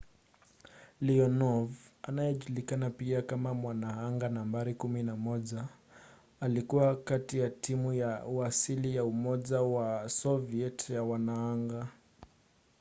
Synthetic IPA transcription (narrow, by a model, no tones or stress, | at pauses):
liɔnɔvʔanajɛʄulikanapiakamamwanaaŋɡanambaɾikuminamɔʄaː | likuwakatijatʰimujauasilijaumɔʄawasɔviɛtjawanaaŋɡa